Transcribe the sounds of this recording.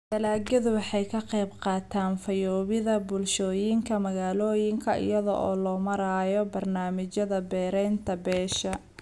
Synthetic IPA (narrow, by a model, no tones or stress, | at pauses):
d̪ɐlaːɡɐðʊwɑħɑjkʰɐqɛjbqɑːt̪ʰaːnfɐjɔːβɪðɐbʊlʃɔːjɪŋkʰɐmɐɣaːlɔːjɪŋkʰɐʔɪ̰jɐðɔ̰ʔɔ̰ːlɔːmɐɾaːjɔbɐrnaːmɪt͡ʃɐðɐbɛːɾɛjnt̪ʰɐbɛːʃɐ